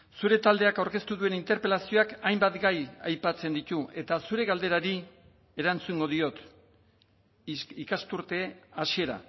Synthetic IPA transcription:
suɾe̞t̪ald̪e̞akawɾke̞st̪uðue̞nint̪e̞ɾpe̞lasio̞akajmbat̪ɡajajpat͡se̞nd̪it̪ue̞t̪asuɾe̞ɣald̪e̞ɾaɾi | e̞ɾant͡suŋɡo̞ðio̞t̪ | ikast̪uɾt̪e̞asie̞ɾa̰

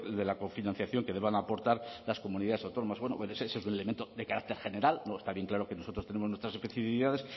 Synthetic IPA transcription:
d̪e̞lakoɱfinãn̟θjaθjo̞ŋke̞ðe̞βaŋapo̞ɾt̪aɾlasko̞muniðaðesawt̪o̞no̞masβwe̞no̰ensesesunelement̪o̞ðe̞kaɾak̚t̪e̞ɾχe̞ne̞ɾalnoest̪aβje̞ŋklaɾo̞ke̞no̞so̞t̪ɾo̞st̪eneoznwest̪ɾasespeθifiiðaðe̞s

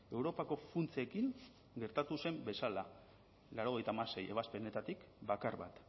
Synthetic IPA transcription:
e̞wɾo̞pako̞funt͡sekiŋ | ɡe̞ɾt̪at̪use̞mbe̞sala | laɾo̞ɣ̞e̞jt̪aːmase̞je̞β̞aspe̞ne̞t̪at̪ikbakaɾβa̰t̪

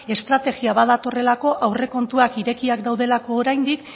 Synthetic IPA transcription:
e̞st̪ɾat̪e̞ɣiaβaðat̪o̞re̞lako̞ʔawre̞ko̞nt̪uakiɾe̞kiakd̪awðe̞lako̞ːɾajnd̪ik

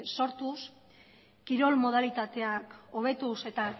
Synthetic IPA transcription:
so̞ɾt̪us | kiɾo̞lmo̞ð̞alit̪at̪e̞ako̞β̞e̞t̪use̞t̪a

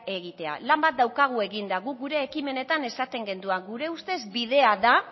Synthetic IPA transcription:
e̞ɣ̞it̪e̞a̰lambat̪̚d̪awkaɣ̞ue̞ɣind̪aɣuk̚ɡuɾe̞ːkime̞ne̞t̪ane̞sat̪e̞ŋɡe̞nd̪uaɡuɾe̞ust̪e̞zbið̞e̞aða

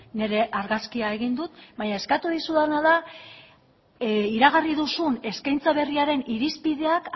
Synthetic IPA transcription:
ne̞ɾe̞ʔaɾɣaskiae̞ɣ̞ind̪ut̪baɲae̞skat̪uð̞isuðanaða | iɾaɣ̞ariðusune̞skajnt͡saβ̞e̞riaɾe̞niɾispiðe̞ak

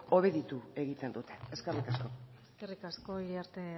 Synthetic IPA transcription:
o̞β̞e̞ðit̪ue̞ɣit̪e̞nd̪ut̪e̥eskerikasko̞eskerikasko̞iliaɾt̪e

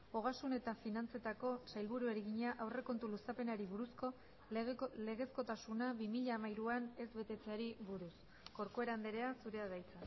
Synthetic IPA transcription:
o̞ɣ̞asune̞t̪afinant͡se̞t̪ako̞sajlβuɾue̞ɾeɣiɲaʔawre̞ko̞nt̪ulusape̞naɾiβ̞uɾusko̞ | le̞ɣ̞e̞sko̞t̪asunaβimiʎaːmajɾuane̞zβe̞t̪e̞t͡se̞aɾiβuɾus | ɡo̞ɾko̞e̞ɾand̪eɾe̞asuɾe̞aðajt͡sa

